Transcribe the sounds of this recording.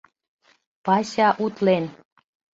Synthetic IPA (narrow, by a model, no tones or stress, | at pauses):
pɑɕɑʔut̪len